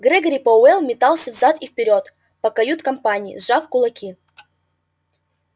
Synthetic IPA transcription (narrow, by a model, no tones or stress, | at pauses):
ɡɾɛɡəɾʲipɐʊɛlˠmʲɪt̪alˠsʲəvzat̪ifpʲɪɾʲot̪ | pɐkɐjut̪kɐmpanʲɪjḭzʐafkʊlˠɐkʲi